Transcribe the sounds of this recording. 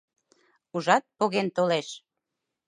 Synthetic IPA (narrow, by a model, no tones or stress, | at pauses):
uʒɑt̪̚poɣent̪oleʃ